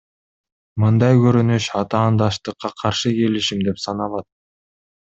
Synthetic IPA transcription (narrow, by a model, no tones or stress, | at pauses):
mɯnd̪ɑjkøɾynyʃɑt̪ɑːnd̪ɑʃt̪ɯqːɑqʰɑɾʃɯke̞liʃimd̪e̞psɑnɑlˠɑt̪̚